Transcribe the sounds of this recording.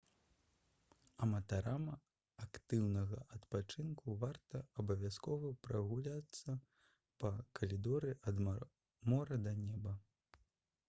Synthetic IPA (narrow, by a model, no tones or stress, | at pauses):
ɐmɐt̪aɾamɐ | akt̪ɨwnɐɣɐʔɐt̪pat͡ʂɨnkuvart̪ɐɐbɐvʲjaskɔvɐpɾɐɣulʲat̪sːɐ | pɐkʰɐlʲid̪ɔɾɨʔɐd̪ | mɔɾɐd̪ɐnʲɛbɐ